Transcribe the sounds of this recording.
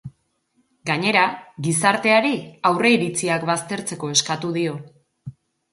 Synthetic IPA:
ɡaɲe̞ɾaɡisaɾt̪e̞aɾiawre̞iɾit͡siakβast̪e̞ɾt͡se̞ko̞e̞skat̪uðio̞

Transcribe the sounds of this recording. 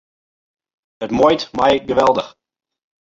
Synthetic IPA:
ətmɔjtmɛjɡəʋɛlˠdəx

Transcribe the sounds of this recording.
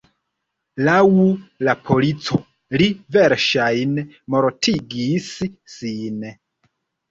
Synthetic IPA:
lawulapʰolit͡so | liveɾʃajn | moɾtʰiɡissin

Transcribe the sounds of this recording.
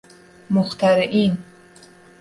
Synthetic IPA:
mʊxt̪aɾʔin

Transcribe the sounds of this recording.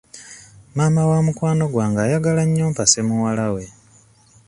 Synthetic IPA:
maːmawamukwaːno̞ɡwaːŋɡaːjaɡalaɲːoːmpase̞muwalawe̞

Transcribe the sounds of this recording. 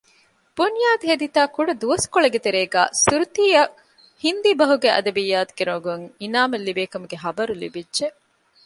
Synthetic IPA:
b̥unjaːd̪iɦed̪it̪aːkuɖɐd̪uʋɐskoɭɐɡet̪eɾeːɡæ̰ːsuɾut̪iːɐ | hind̪ibɐɦuɡeʔɐ̰d̪ɐbijːaːt̪u̥ɡ̥eɾoɡuŋinaːmɐlːibeːkɐmuɡeɦɐbɐɾulḭbidːʒe

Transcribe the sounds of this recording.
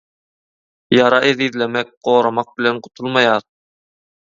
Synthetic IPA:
jɑɾɑʔeðiðlemɛk̚ɢ̥oːɾɑmɑq̚bilenqʰʊ̥t̪ʰulˠmɑjɑːɾ

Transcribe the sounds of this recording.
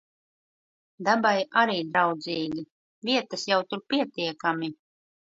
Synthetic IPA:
d̪abajaɾiːd̪ɾawd̪ziːɡʲi | vʲiɛt̪asjawt̪uɾpʲiɛt̪iɛkami

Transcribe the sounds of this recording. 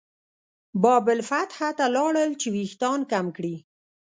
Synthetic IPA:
bɑbɪlfat̪hat̪alɑɽəlt͡ʃewixt̪ɑnkamkɽi

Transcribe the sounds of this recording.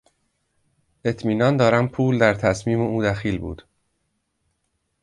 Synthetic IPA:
ʔe̞t̪ʰmiːnɒːnd̪ɒːɾæmpʰuːld̪æɾt̪ʰæsmiːmeuːd̪æxiːlbṵːd̪̥

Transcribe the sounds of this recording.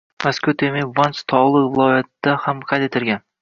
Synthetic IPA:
maskʊt̪ʰemɪvanst̪ʰɒlˠɨqvɪlˠɒjat̪ːd̪ahamqʰɑt̪et̪ʰɪɾɡʲan

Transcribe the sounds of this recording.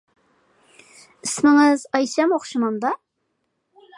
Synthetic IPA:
ɪsmɪŋɪzɑjʃɛmoχʃɨmɑnd̪ɑ

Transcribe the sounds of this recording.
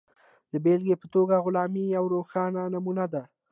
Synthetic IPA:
d̪̥əbelɡepət̪oɡaɣʊlɑmijawɾoxɑnanamunad̪a

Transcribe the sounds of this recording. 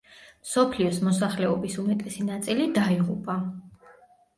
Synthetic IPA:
msɔpʰliɔsmɔsaχlɛɔbisumɛt̪ʼɛsinat̪sʼilid̪aiʁupʼa

